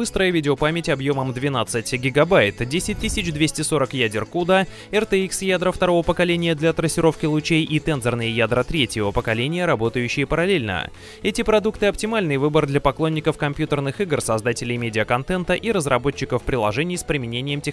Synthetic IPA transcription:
bɨst̪ɾəjəvʲidʲɪopamʲɪtʲɐbjo̞məmd̪vʲɪnat̪sɨtʲɡʲɪɡɐbajt̪dʲesʲɪt̚ʲt̪ːɨsʲɪt͡ɕd̪vʲesʲtʲɪso̞ɾəkjædʲɪrkud̪ə | ɛrt̪ɛiksjad̪ɾəft̪ɐɾo̞vəpəkɐlʲenʲɪjəd̪lʲɐt̪ɾəsʲːɪɾo̞fkʲɪlˠʊt͡ɕejit̪ɛnzərnɨjəjad̪ɾət̪ɾʲetʲjɪvəpəkɐlʲenʲɪjəɾɐbo̞t̪əjʉɕːɪjəpəɾɐlʲelʲnə̰ | ɛtʲɪpɾɐd̪ukt̪ɨɐptʲɪmalʲnɨjvɨbərd̪lʲɐpɐklˠonʲːɪkəfkɐmpʲjut̪ərnɨxɨɡrsɐzd̪atʲɪlʲɪjmʲedʲɪəkɐnt̪ɛnt̪əʔiɾəzrɐbo̞t͡ɕːɪkəfpɾʲɪlˠɐʐɛnʲɪjspɾʲɪmʲɪnʲenʲɪjəmtʲɪx

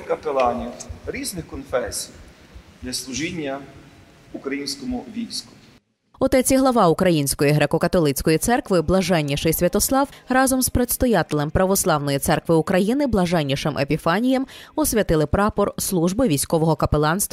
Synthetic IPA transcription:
kɐpelˠɑnʲiwɾʲiznɪxkɔnfɛsʲijd̪lʲɐslˠʊʒinʲːɐ | ukɾɐjinʲsʲkɔmʊʋʲijsʲkʊ̥ | ɔt̪ɛt͡sʲiɦlˠɐʋɑʊkɾɐjinʲsʲkɔjiɦɾɛkɔkɐt̪ɔlˠɪt͡sʲkɔjit̪sɛrkʋɪblˠɐʒɛnʲːiʃɪjsʲʋʲɐt̪ɔslˠɑwrɑzɔmspɾet̪st̪ɔjat̪ɪlʲˠɛmpɾɐʋɔslˠɑwnɔjit̪sɛrkʋɪukɾɐjinɪblˠɐʒɛnʲːiʃɪmʔḛpʲifɑnʲijɛmɔsʲʋʲɐt̪ɪlˠɪpɾɑpɔrslˠuʒbɪʋʲijsʲkɔʋɔɦɔkɐpelˠɑnst̪

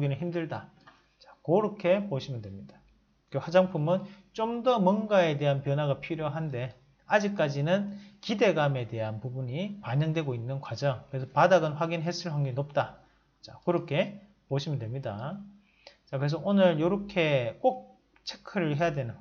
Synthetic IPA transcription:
oɡinɯɭɦçimdɯɭda | t͡ɕḁkoɾʌkʰe̞poɕʰimɯndwe̞mɲid̥a | eɸwad͡ʑaŋpʰumɯn | t͡ɕ͈omdʌmwʌnɡae̞de̞ɦanpjʌnɦwaɡapʰiɾjoɦande̞ | ad͡ʑik̚k͈ad͡ʑinɯnkide̞ɡame̞te̞ɦanpubuɲipaɲʌŋdwe̞ɡoinːɯnkwad͡ʑʌŋkɯɾesʰʌpadaɡʌnɸwaɡinɦe̞s͈ʰɯɭɸaŋɡinop̚t͈a | t͡ɕakɯɾʌkʰe̞ | poɕʰimɯndwe̞mɲida | t͡ɕakɯɾe̞s̬ʰʌʔonɯɭjoɾʌkʰe̞k͈ok̚ | t͡ɕʰe̞kʰɯɾɯɭɦe̞jadwe̞nɯn

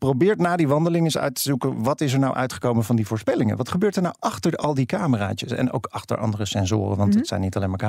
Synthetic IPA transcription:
prowbɪːɹtnaːdiʋɑndəlɪŋɪsœ̰ɥtəzukənʋɑtɪs̬ɛɹnawʔœ̰ɥtχə̥kowmənvɑndivʊːɹspɛlɪŋə̰nʋɑtχəbøːɹtəɹnawʔɑχtəɹɑlˠdikaːməra̰ːcəsɛ̰no̰wkʰɑχtə̰ɹʔɑ̰ndərəsɛnzʊ̰ːrə̰nʋɑntɦətsɛ̰jnitɑlejmaːɹka

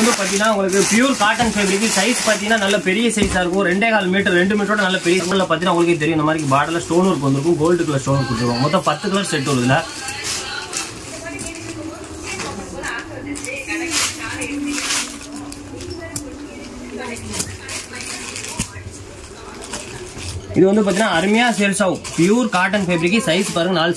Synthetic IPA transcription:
d̪ɯpaːɾt̪̬iŋɡɐnaːʊŋɡɐɭɯkːɯpjuːɾkaːʈːɐnfeːbɐɾɪk̬ːisɐɪspaːɾt̪ĩŋɡɐnːaːnɐlːɐpɛɾɪjɐsɐɪsaːɾɯkːõɾɛɳɖeːkaːlmiːʈːɾɾɛɳɖɯmiːʈɾoːɽɐnɐlːɐpɛɾɪjɐɾkːɭlːɐpaːt̪iŋnaːʊŋɡɐɭɯkːeːt̪̬ɛɾɪj̃ʋɪnd̪ɐmaːd̪ɾɪkːɯbaːɽɐlːɐsʈoːnɾɯk̬ːɯʋɐnd̪ɯɾɯkːɯ̃ɡoːlɖɯkɐɭɐsʈoːnɔɾk̬ːɔɽɪʈ̪ɯɾɯkːaːŋɡɐmɔt̪ːɐ̃pɐt̪ːɯk̬ɐlɐɾssɛʈːɯɾɐðɯlɐ | ɪðɯʋɐnd̪ɯpaːɾt̪iːnːãːɐɾɯmɐjaːsɛjɐlsaʋɯpɪjuːɾkaːʈːɐnfeːbɪɾɪkːisɐɪspaːɾɯŋɡɐnaːl

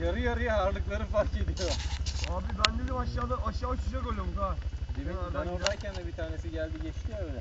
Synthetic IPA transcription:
jaɾɯjaɾɯjaaɾlˠɯklˠaɾɯfaɾke̞d̪ijoaːbibænd̪ed̪ɛbaʃlˠalˠɯʔaʃaat͡ʃʰɯd͡ʒakolʲomzad̪emɛnaɾaiaɾcʰænd̪ɛbit̪ʰaːne̞siɟælʲd̪iɟɛt͡ʃt̪ʰievd̪ɛ

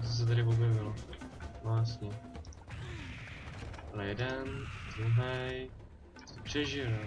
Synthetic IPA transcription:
t͡sos̬ɛt̪aɾɪobjɛvɪlovast̪ɲɛ | alɛjɛdɛnd̪ɾuɦɛj | sɛpr̝̥ɛʒɪl

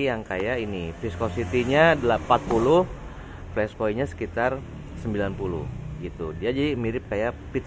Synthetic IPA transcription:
jaŋka̰jainifiskosit̪iɲaːdalapat̪̚pulʊh | flɛspoiɲasə̥kit̪ar | səmbilanpulʊ̰hɡit̪udiad͡ʒadimiɾɪp̚kajapit̪

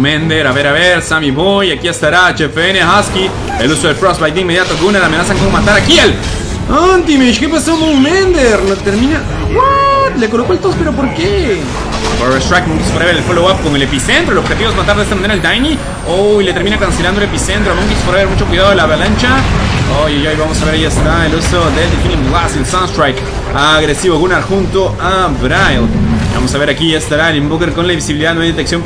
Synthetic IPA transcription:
mẽnd̪eɾaβeɾaβeɾsamiβojakiest̪aɾat͡ʃefeenehaski | elusoðe̞lfɾosbajd̪eime̞ðjat̪okeunalamenasaŋkomomat̪aɾakial | ant̪imeiʃkepesomomend̪eɾnot̪eɾmĩna | ɡwat̪lekolokoelt̪ospe̞ɾopoɾke | poɾrest̪ɾakmoŋɡispoɾaβeɾelfolowap̚koŋe̞le̞pisent̪ɾoelobxet̪iβoezmat̪aɾdest̪amaneɾaeld̪ajni | oile̞t̪eɾmĩnakanse̞land̪oele̞pisent̪ɾoamoŋɡispoɾaβeɾmut͡ʃo̞kwiðaðo̞elaβalant͡ʃaojejojβamosaβe̞ɾajiest̪aeluso̞ðeld̪efiniɡlaselsanst̪ɾajk | aɣɾe̞siβoɣunaɾxunt̪oabɾajlβa̰mosaβe̞ɾakiʝast̪aɾaelembokeɾko̞nlaiβisiβiliðaðnoajðet̪eksjo̞m

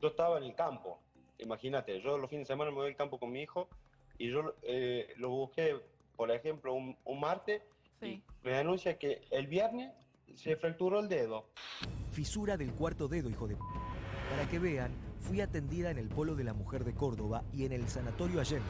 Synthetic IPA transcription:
ʒoest̪aβaenelkampo̰ | ḭmaxinat̪eʒolofindesemãnameβielkampokonmiixo | iʒoeloβuhke | poɾexemploununmaɾt̪es | imeanũnsjakeːlβjeɾnes | sːefɾak̚t̪uɾoeld̪eðofisuɾaðe̞lkwaɾt̪o̞ðe̞ðo̞ixo̞ðepaɾakeβeanfwiat̪e̞nd̪iðaene̞lpo̞lo̞ðe̞lamuxeɾðe̞ko̞ɾðo̞βaiene̞lsanat̪o̞ɾjoaʒen

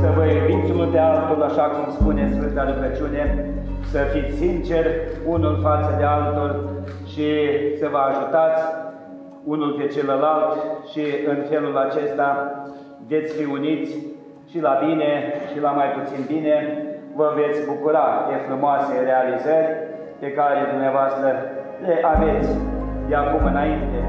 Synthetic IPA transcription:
səvəivisʲunulpealt̪ulaʃakumspunesfɨnt̪aluɡət͡ʃune | səfit̪sʲsint͡ʃe̞rʲunulfat̪səd̪ealt̪urʲʃisəvəaʒut̪at̪sʲ | unulpe̞t͡ʃe̞ləlalt̪ʃiɨnfe̞lulat͡ʃe̞st̪a | vet̪sʲfiunit̪sʲ | ʃilabineʃilamajput̪sinbine̞vəve̞t̪sʲbukuɾap̪efɾumoase̞re̞alizərʲ | pe̞kaɾe̞d̪umneavoast̪ɾə | leʔave̞t̪sʲd̪eakumɨnaint̪e̞

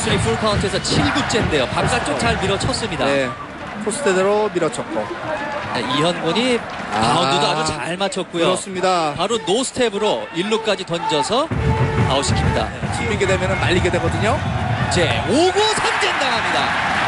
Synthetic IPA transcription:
sʰɯɾipʰuɭkʰauntʰɯesʰʌt͡ɕʰiɭɡut͡ɕ͈e̞nde̞jopak̚k͈at͡ɕ͈okt͡ɕaɭmiɾʌt͡ɕʰʌs͈ɯmɲidae | sʰosʰɯ̥tʰedɯɾomiɾʌt͡ɕʰʌk͈o | eiɦʌnɡoɲi | paududoad͡ʑut͡ɕaɭmat͡ɕʰʌt̚k͈ujɯoɾʌs͈ɯmɲidapaɾonosʰɯ̥tʰe̞bɯɾoiɭːuk͈ad͡ʑitʌnd͡ʑʌsʰʌnaoɕʰi̥kʰiɲida̰t͡ɕiiɡedemjʌnɯnːaʎːiɡe̞dwe̞ɡʌdɯɲod͡ʑe̞oɡosʰʌnd͡ʑendaŋɦamɲida̰

